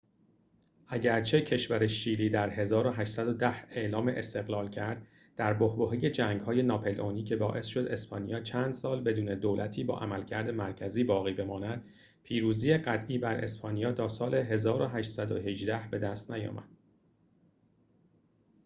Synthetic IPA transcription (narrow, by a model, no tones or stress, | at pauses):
ʔæɟæɾt͡ʃʰe̞cʰe̞ʃvæɾeʃiːliːd̪æɾɦe̞zɒːɾoɦæʃt̪sæd̪od̪æhe̞ʔlɒːmeʔest̪e̞ɣlɒːlcʰæɾd̪̥̚ | d̪̥æɾbohboɦiːje̞d͡ʒæŋɡhɒːje̞nɒːpʰelʔoːniːcʰe̞bɒːʔe̞sʃo̞d̪e̞spɒːnijɒːt͡ʃʰæːnd̪̥sɒːlbe̞d̪uːne̞d̪oːlʔæt̪ʰiːbɒ̰ːʔæmælcʰæɾd̪e̞mæɾcʰæziːbɒːɣiːbe̞mɒːnæd̪̥ | pʰiːɾuːziːjeɢæt̪ʰʔiːbæɾe̞̰spʰɒːnijɒːt̪ʰɒːsɒːle̞ɦe̞zɒːɾoɦæʃt̪sæd̪oɦe̞ʒd̪æhbe̞d̪æst̪næjɒ̰ːmæ̰d̪̥